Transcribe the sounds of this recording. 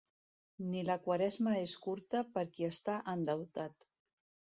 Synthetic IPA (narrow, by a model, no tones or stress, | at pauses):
niləkwaɾɛzməeskuɾt̪əpəɾkiəst̪aʔənd̪əwt̪at̪